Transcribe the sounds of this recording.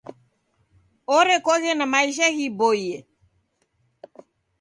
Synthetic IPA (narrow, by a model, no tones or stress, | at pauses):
ɔɾɛkɔɣɛnamaiʃ̬aɣibɔiɛ